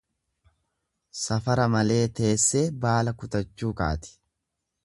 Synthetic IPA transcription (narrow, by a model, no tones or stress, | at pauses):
sɐfɐɾɐmɐle̞ːt̪e̞ːsːe̞ːbaːlɐkʊt̪ɐt͡ʃːuːka̰ːt̪ɪ̥